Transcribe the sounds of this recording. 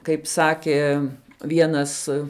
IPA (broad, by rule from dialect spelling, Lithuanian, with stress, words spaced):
kɐɪp ˈsɑːkʲeː ˈʋʲiɛnɐs